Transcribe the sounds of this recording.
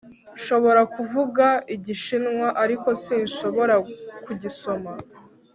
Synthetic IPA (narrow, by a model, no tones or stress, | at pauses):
ʃo̞βo̞ɾakuvuɡaiɟiʃinŋwaʔaɾiko̞siːnʃo̞βo̞ɾakuɟiso̞ma